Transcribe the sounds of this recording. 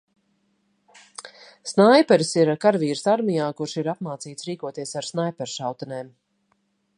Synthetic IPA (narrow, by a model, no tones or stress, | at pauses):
snajpɛɾsiɾkaɾviːɾɨsaɾmijaːkuɾʃiɾapmaːt̪siːt̪sɾiːkuɔt̪iɛsaɾsnajpɛɾʃawt̪ɛnɛːm